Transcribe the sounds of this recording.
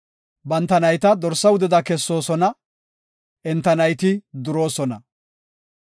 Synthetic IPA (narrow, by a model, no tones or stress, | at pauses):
bɐnt̪ːɐnɐjt̪ɐd̪ɔɾsːɐwʊd̪ɛd̪ɐkɛsːo̞ːsɔnɐ | ʔɛnt̪ːɐnɐjt̪ɪd̪ʊɾo̞ːsɔnɐ̰